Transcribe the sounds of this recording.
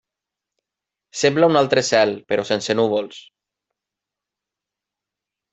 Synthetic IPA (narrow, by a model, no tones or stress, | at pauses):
semblaunalˠt̪ɾesɛlpeɾosensenuβols